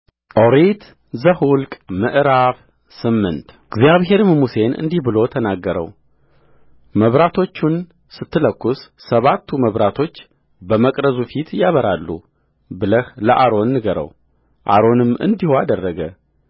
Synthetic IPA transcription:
ʔoɾit̪ | zəhulkʼmɨʔɾaβ | sɨmːɨnt̪ | ɡzijaβɦe̞ɾmmuse̞nʔɨ̰nd̪ihbɨlo̞t̪ʰənaɡːəɾə̰w | məβɾat̪ʰo̞t͡ʃːun | sɨt̪ːɨləkːusːəβat̪ʰːuməβɾat̪ʰo̞t͡ʃː | bəməkʼɾəzufit̪jaβəɾalːṵ | bɨləhləʔaɾo̞nːɨɡəɾə̰w | ʔa̰ɾo̞nɨmɨ̰nd̪ihoad̪ərːəɡə̰

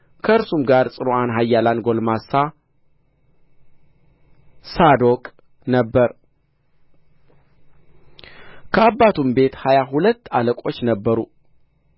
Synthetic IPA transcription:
kʰəɨɾsumɡaɾsʼɨɾoʔanɦajːalanɡo̞lmasːa | sad̪o̞kʼ | nəbːəɾ | kʰəabːat̪ʰumbe̞t̪hajaɦulət̪ːaləkʼo̞t͡ʃːnəbːəɾu

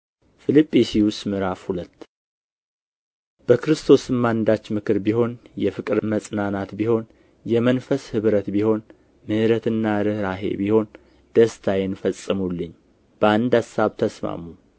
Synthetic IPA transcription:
fɨlɨpʼːisiwʊst̪mɨɾafhulət̪ː | b̥əkɨɾɨst̪ʰo̞sɨmːand̪at͡ʃːmɨkʰɨɾbiho̞njɛfɨkʼɨɾməsʼnanat̪biho̞n | jɛmənfəshɨβɾət̪biho̞n | mɨhɨɾət̪ʰɨnːaɾɨhɾaɦe̞̰biho̞n | d̪̥əst̪ʰajɛnfəsʼːɨmulːɨɲː | b̥əand̪asːaβt̪ʰəsma̰mu

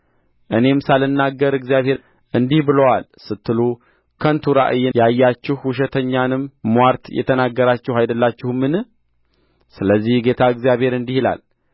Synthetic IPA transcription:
ʔɨne̞msalɨnːaɡːəɾɨɡzijaβhe̞ɾ | ʔɨnd̪ihbɨləwal | sɨt̪ʰːɨlu | kʰənt̪ʰuɾa̰ʔɨjːɛjajːat͡ʃːɪhwʊʃ̬ɛt̪ʰəɲːanɨmːwaɾt̪jɛ̰t̪ʰənaɡːəɾat͡ʃːɪhajd̪əlːat͡ʃːɪhumːɨnɨh | sɨləzːihɡe̞t̪ʰaɨɡzijaβhe̞ɾɨnd̪ihila̰l

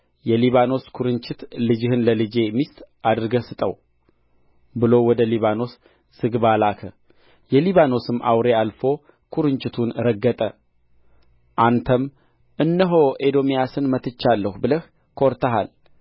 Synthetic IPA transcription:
jɛliβano̞skʰuɾɨɲt͡ʃɪt̪lɨd͡ʒɪhɨnləlɨd͡ʒe̞mist̪ʼʔad̪ɨɾɨɡəsɨt̪ʼəw | bɨlo̞wɔd̪əliβano̞s | z̥ɨɡbalakʰə | jɛliβano̞sɨmːa̰wɾe̞alfo̞ | kʰuɾɨɲt͡ʃʼɪt̪ʰunɾəɡːət̪ʼə | ʔant̪ʰəm | ʔɨnːəɦo̞ʔed̪o̞mijasɨnmət̪ʰɨt͡ʃːalːəhubɨləh | kʰoɾt̪ʰəɦa̰l

